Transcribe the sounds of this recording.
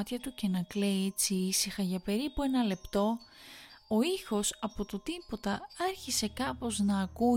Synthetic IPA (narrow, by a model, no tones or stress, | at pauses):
t̪çɐt̪uce̞nɐkle̞iet͡siisixɐʝɐpe̞ɾipue̞nɐle̞pt̪o̞ | o̞ixo̞sɐpo̞t̪o̞t̪ipo̞t̪ɐɐɾçise̞kɐpo̞znɐːku